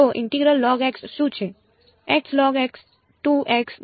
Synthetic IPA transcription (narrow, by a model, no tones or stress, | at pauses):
oʔɪ̰̃ɳʈiɡɾəlːɔːɡɛksʃũt͡ʃʰe | ɛkslɔɡɛks | ʈuʔɛks